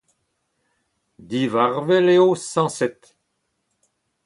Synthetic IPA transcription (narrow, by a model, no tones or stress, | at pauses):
d̪ivaʁvɛleosɑ̃sɛt̪